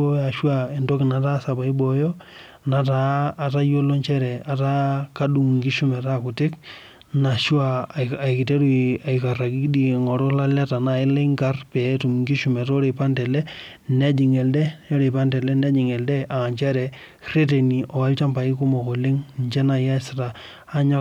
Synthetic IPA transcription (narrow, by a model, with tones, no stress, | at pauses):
o˦a˨ʃwa˦e˨ndɔ˦ki˨na˨ta˦sa˨ba˨i˦bɔ˨jɔ˦ | na˨taː˨ta˦jo˦lo˦ɲt͡ʃɛ˦ɾɛ˨a˨ta˦ka˦ɗu˨ŋ˨ŋɡi˦ʃu˦mɛ˨ta˦ku˨tɪ˦k | na˨ʃwa˦˨i˨ki˨te˦ɾu˦a˨i˨ka˨ra˨ki˦di˦˨ŋɔ˨ɾɔ˦la˦la˦ta˨na˨ɪ˦le˦ŋɡa˦rpɛ˨˦tu˨mŋɡi˦ʃu˨mɛ˨tɔ˦ɾe˨pa˦ntɛ˨lɛ˦ | nɛ˦d͡ʒi˨ŋɛ˨ldɛ˦jɔ˦ɾe˨pa˦ndɛ˨lɛ˦nɛ˦d͡ʒi˨ŋɛ˨ldɛ˦ʔa˨a˨ɲt͡ʃɛ˦ɾɛ˨ | re˦t̬e˨ni˨ʔɔ˨a˦lt͡ʃa˦mpa˨i˦ku˦mɔ˨ko˨le˦ŋɲt͡ʃɛ˦na˨ja˦staː˨˦ | ɲɔ˦